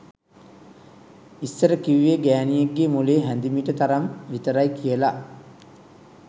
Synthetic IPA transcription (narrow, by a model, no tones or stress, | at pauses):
isːəɾəkiʋieɡæːnijeɡːemuleːɦænd̪imiʈət̪aɾamʋit̪əɾajkijəla